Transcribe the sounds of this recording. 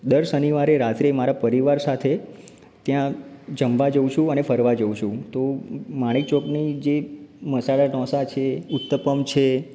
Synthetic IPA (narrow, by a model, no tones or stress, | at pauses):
d̪əɾsəniʋaɾeɾat̪ɾimaɾapəɾiʋaɾsat̪ʰe | t̪jãd͡ʒəmʋad͡ʒəwʃʰũənefəɾʋad͡ʒəuʃũt̪omãɽ̃it͡ʃoknid͡ʒeməsaɭaɖɔ̃sat͡ʃʰeut̪ːəpəmt͡ʃʰe